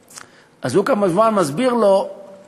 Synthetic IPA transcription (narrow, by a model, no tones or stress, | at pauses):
azhukamaʒmanmazbiʁlo